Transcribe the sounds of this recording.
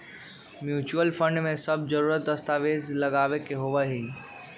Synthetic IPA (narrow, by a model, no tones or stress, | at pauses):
mjuːt͡ʃuəlfə̃ɳɖmẽsɐb̚zəɾuːɾət̪̚d̪ɐst̪aːʋeːzlɐɡaːʋekeɦoʋaɦĩ